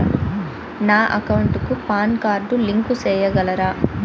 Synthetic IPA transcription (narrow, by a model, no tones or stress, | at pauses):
naːʔɐ̰kɐwuɳʈukupaːnkaːɾɖuliŋkusɛːjɐɡɐlɐɾaː